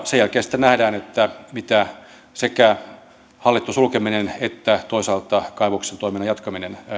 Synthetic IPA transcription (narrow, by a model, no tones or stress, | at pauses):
sejælkeːsi̥t̪ːenæhdæːnet̪ːæmit̪æ | sekæ | hɑlːit̪ːusulkeminenet̪ːæt̪oisɑːlt̪ɑkɑeʋoksent̪oiminɑjɑt̪kɑminen